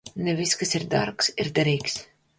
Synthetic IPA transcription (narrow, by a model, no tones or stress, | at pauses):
nɛviskasiɾd̪aɾksiɾd̪aɾiːks